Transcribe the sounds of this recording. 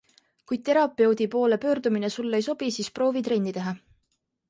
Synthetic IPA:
kuj̚t̪e̞ɾɑpːˑeo̞d̪̥ʲipo̞ːle̞pø̞ːrd̪uminesulːejso̞b̥isiːspro̞ːvit̪ɾe̞nʲːit̪eɦɑ

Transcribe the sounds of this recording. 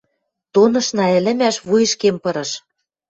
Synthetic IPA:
t̪onɤ̆ʃnɑɘ̆lɘ̆mæʃβujɤ̆ʃkempɤ̆ɾɤ̆ʃ

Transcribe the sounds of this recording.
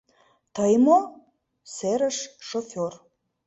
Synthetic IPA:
t̪əjmo | seɾəʃʃofʲor

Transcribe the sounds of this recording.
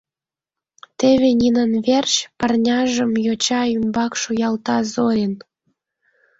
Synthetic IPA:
t̪eβenʲinənβert͡ɕpərnʲɑʒə̆mjot͡ɕɑymbɑkʃujɑlt̪ɑzoen

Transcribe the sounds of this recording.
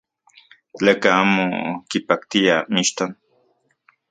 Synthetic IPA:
t͡ɬekaamo̰kipak̚t̪iamiʃt̪an

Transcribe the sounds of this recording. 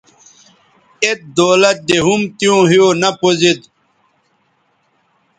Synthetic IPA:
et̪̚d̪oːlɐt̪̚d̪eɦumt̪ijõːɦijonɐpozid̪

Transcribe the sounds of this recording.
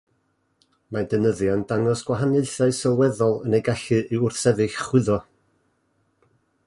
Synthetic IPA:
madənəðjandaŋɔsɡ̥waɦaneɨθaɨsəlˠwɛðɔlˠənejɡaɬɨʔɨʊrθɛðɨɬχwɪðɔ

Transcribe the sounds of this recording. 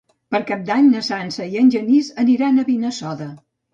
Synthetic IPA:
pəɾkap̚d̪aɲnəsansəiənʲʒənizəniɾanəβinəsɔðə

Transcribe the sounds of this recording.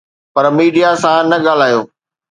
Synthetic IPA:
pɐɾmiːɖijasãnɐɠaːl̤aːjoː

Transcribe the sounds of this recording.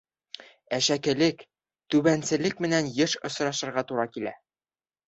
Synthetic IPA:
æʃækɘ̆lɘk | t̪ʉbænsɘ̆lɘk̚mɘ̆nænjɤʃŏsɾɑʃɤ̆ɾʁɑt̪uɾɑkilæ̰

